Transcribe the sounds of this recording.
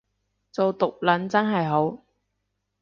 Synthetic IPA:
t͡so˨wt̪ʊ˨k̚lɐ˨˥nt͡sɐ˥nɦɐ˨jɦo˨˥w

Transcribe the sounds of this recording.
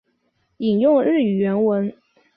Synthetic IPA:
i˨˩ŋjʊ˥˧ŋɻɻ̩˥˩y˨˩ɥɛ˧˥nwə˧˥n

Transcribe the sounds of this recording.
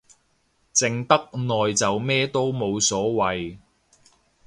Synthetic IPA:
t͡sɪ˨˩ŋt̪ɐ˥k̚nɔː˨jt͡sɐ˨wmɛː˥t̪o˥wmo˨˧wsɔː˨˥wɐ˨j

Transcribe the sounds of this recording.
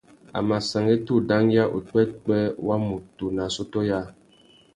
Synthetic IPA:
a̰˨ma˨sa˨ŋɡe˦tu˦da˦ŋja˦ʔṵ˨k͡pɛ˦t̚k͡pɛ˦wa˦mu˨tu˨na˨so˦tɔ˦ja˦

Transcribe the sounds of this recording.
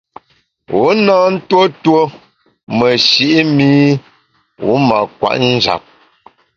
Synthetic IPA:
u˨˦na˦n̩˦two˦two˦ | mə˨ʃi˦ʔi˦mi˦ | wu˦ma˨kwa̰˨ʔn̩˦d͡ʒa̰˨p̚

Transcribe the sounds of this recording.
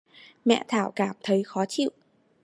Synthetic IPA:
mɛ̰˧˨t̪ʰaː˧˩wkaː˧˩mt̪ʰə˨˦jxɔ˨˦t͡ɕḭ˧˨wʔ

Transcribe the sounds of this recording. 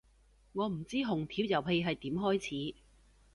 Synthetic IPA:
ŋɔː˨˧m̩˨˩t͡siː˥ɦʊ˨˩ŋt̪ʰiː˨˥wjɐ˨wɦe˧jɦɐ˨jt̪iː˨˥mɦɔː˥jt͡sʰiː˨˥

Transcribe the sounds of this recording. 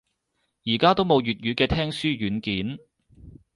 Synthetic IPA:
jiː˨˩kaː˥t̪o˥wmo˨˧wjyː˨t̚jyː˨˧kɛː˧t̪ʰɛː˥ŋsyː˥ɥyː˨˥nkiː˨˥n

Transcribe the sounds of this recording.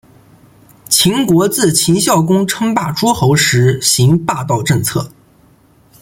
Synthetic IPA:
t͡ɕʰi˧˥ŋkwɔ˧˥t͡sɹ̩˥˩t͡ɕʰi˧˥ŋɕjɑ˥˩ʊkʊ˥ŋʈ͡ʂʰɤ˥ŋpa˥˩ʈ͡ʂwɔ˥xo˧˥ʊʂɻ̩˧˥ɕi˧˥ŋpa˥˧t̪ɑ˥˧ʊʈ͡ʂɤ˥˧ŋt͡sʰɤ˥˩

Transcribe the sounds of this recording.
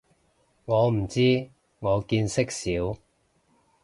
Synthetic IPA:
ŋɔː˨˧m̩˨˩t͡siː˥ | ŋɔː˨˧kiː˧nsɪ˥k̚siː˨˥w

